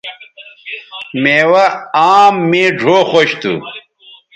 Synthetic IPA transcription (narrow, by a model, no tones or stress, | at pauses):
meːwɐaːmːẽːɖʱoːxoɕt̪ṵ